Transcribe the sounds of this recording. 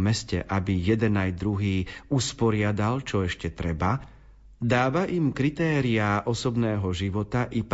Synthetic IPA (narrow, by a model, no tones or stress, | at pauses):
mɛscɛ̰ʔabijɛd̪ɛnajd̪ɾuɦiːuspɔɾɪad̪alt͡ʃɔɛʃcɛt̪ɾɛba | d̪aːʋaʔimkɾit̪ɛːɾiaʔɔsɔbnɛːɦɔʒiʋɔt̪aʔip